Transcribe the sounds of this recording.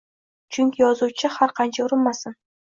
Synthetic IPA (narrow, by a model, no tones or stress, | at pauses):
t͡ʃʰʊŋʲkʲʰijɒzut͡ʃʰɪhaɾqʰɑnt͡ʃʰaʊɾɪnmasɪn